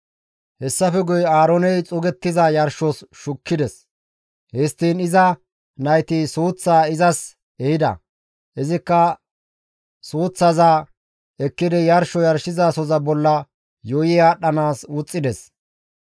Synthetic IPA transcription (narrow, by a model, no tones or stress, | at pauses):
hɛsːɐfɛɡʊjaːɾɔnɛjt͡sʼʊɡɛt̪ːɪzɐjɐɾʃɔsʃʊkːɪd̪ɛs | hɛst̪ːiːnɪzɐ | nɐjt̪isuːt͡sːaːɪzɐs | ɛhɪd̪ɐ̰ | ʔɪzɪkːɐ | suːt͡sːɐzaː | ɛkːɪd̪ɛjɐɾʃɔjɐɾʃɪzaːsɔzɐbɔlːɐ | joːjɪaːɗːɐnaːsʊt͡sʼːɪd̪ɛs